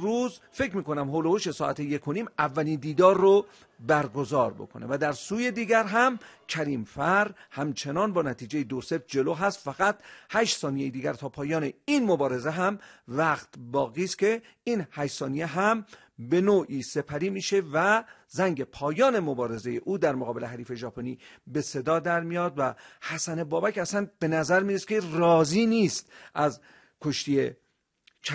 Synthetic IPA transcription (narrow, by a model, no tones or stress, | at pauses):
ɾuːzfe̞cʰmiːko̞næmɦoːlohoʃe̞sɒːʔæt̪ʰeje̞kʰoniːmævːæliːnd̪iːd̪ɒːɾːo | bæɾɡo̞zɒːɾbo̞̰kʰo̞nḛvæd̪æɾsuːje̞d̪iːɡæɾɦæmcʲʰæɾiːmfæɾhæmt͡ʃʰe̞nɒːnbɒːnæt̪ʰiːd͡ʒe̞jed̪osefd͡ʒe̞loːɦæst̪fæɣæt̪hæʃt̪sɒːnijejid̪iːɡʲæɾt̪ʰɒːpʰɒːjɒːne̞inmo̞bɒːɾe̞zeɦæmvæqt̪bɒːɣiːst̪kʰe̞ | iːnhæʃsɒːnijeɦæm | be̞noːʔiːse̞pʰæɾiːmiːʃe̞væ | zæŋɟe̞pʰɒːjɒːne̞mobɒːɾe̞ze̞je̞ʔuːd̪æɾmoɣɒːbe̞le̞ɦæɾiːfe̞ʒɒːpʰoniːbe̞se̞d̪ɒːd̪æɾmijɒːd̪væhæsæne̞bɒːbækæsænb̥e̞næzæɾmiːɾeskʰerɒːziːniːst̪ʔæz | kʰoʃt̪ije | t͡ʃʰ